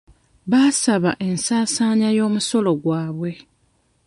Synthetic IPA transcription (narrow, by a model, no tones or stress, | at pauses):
βasaβaʔe̞nsaːsaːɲajo̞ːmuso̞lo̞ɡwaːβwe̞